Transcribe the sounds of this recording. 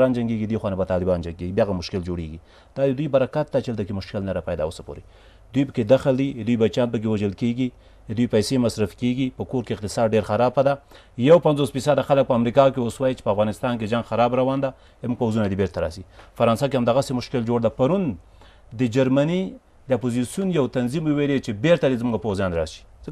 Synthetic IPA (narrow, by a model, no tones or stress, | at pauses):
ɑnd͡ʒaŋɡeɡid̪exwɑnabat̪ɑlɪbɑnd͡ʒaŋɡeɡibjaɣamʊʃkɪld͡ʒoɽḛɡi | d̪̥ɑd̪ɪd̪ujbaɾakat̪̚d̪at͡ʃealt̪ak̬emʊʃkɪlnaɾapajd̪a̰wosḁpo̰ɾe | d̪ujpəked̪axəld̪id̪ujbat͡ʃjɑnpək̬ewaʒəlkeɡi | d̪ujpajsemasɾafkeɡipəkoɾkeɪq̚t̪ɪsɑd̪ɖeɾxaɾɑpad̪a | jawpanzosfisad̪axalək̚pəamɾikɑk̬ewoswɑjit͡ʃe̥pəafɣɑnɪst̪ɑnk̬ed͡ʒaŋɡxaɾɑbɾawɑnd̪a | d̪muɡ̚pawzunad̪ebeɾt̪aɾɑ̰sipəfaɾɑnsɑkehamd̪aɣasemʊʃkɪld͡ʒoɽd̪apaɾun | d̪əd͡ʒaɾmani | d̪əapozisjunjawt̪anzimuwelet͡ʃebeɾt̪ad̪ezmuŋɡapowzjɑnɾɑ̰ʃi̥zək